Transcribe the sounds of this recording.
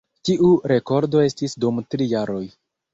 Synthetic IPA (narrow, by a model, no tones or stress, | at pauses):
tiʔuɾe̞ko̞ɾdo̞e̞stisdumtɾijaɾo̞j